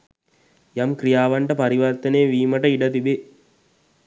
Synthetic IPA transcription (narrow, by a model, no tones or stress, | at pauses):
jamkɾijaːʋaɳʈəpaɾiʋərt̪əneːʋiːməʈəiɖət̪ibe